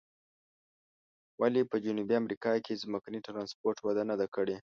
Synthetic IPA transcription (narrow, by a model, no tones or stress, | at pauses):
wʔalepəd͡ʒʊnubiamɾikɑkʰezməkaniʈɾɑnspoɾʈwad̪anad̪akəɽe